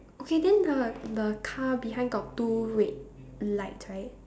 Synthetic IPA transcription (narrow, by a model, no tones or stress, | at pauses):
okʰedɛ̃ndədəkʰabiɦãɪ̃nɡɔt̚tːuɹet̚ | laɪtsɹaɪt̚